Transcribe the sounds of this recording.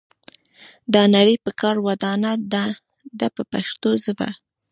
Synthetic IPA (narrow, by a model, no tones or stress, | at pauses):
d̪ɑnaɾipəkɑɾwad̪ɑnad̪a | d̪apəpaʃt̪ozəba̰